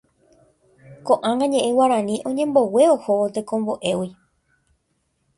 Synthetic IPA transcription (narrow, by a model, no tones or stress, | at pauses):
kõʔãŋãɲẽ̞ʔewaɾãnĩʔõ̞ɲẽ̞mbo̞we̞ohoʋot̪ekõ̞mbo̞ʔe̞wi